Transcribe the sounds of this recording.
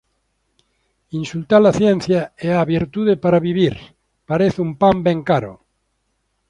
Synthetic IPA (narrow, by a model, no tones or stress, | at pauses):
insult̪alaθjɛn̟θjaeaβiɾt̪uðepaɾaβiβiɾ | paɾeθumpambɛŋkaɾo̰